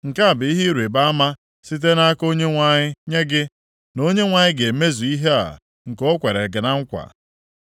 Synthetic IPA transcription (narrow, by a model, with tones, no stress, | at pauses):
ŋ̩˨ka˦a˨bɪ˨i˦ɦi˦ɾu˨e˨ba˦ma˦ | si˦t̬e˦na˦a˦ko˦ɲe˦ŋʷa˨ɲɪ˦ɲe˦ɡɪ˦ | no˦ɲe˦ŋʷa˨ɲɪ˦ɡe˨me˦zu˨i˦ɦe˦a̰˨ | ŋ̩˨ko˦kʷe˨ɾe˨ɡɪ˨na˦ŋ̩˦kʷa̰˨